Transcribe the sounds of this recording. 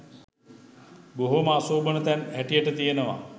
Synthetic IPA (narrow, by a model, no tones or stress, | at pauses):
boɦomaːsoːbənət̪ɛnæʈijəʈət̪ijenəʋa̰